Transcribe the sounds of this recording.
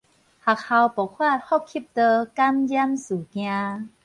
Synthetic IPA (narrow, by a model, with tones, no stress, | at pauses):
ha˨˩kha˧wpɔ˨˩kʰwa˥˩˨t̪̚hɔ˥˨p̚kʰi˧˥˩p̚t̪ɤː˧ka˧mja˧˥msuː˨˩kjãː˧